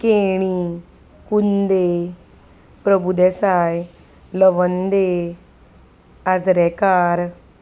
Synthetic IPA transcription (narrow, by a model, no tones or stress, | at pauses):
keɽ̃i | kund̪e | pɾəbʱud̪esaj | ləʋənd̪e | ad͡zɾɛkaɾ